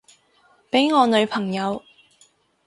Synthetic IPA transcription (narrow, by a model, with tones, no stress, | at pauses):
pe˨˥jŋɔː˨˧nɵ˨˧ɥpʰɐ˨˩ŋjɐ˨˧w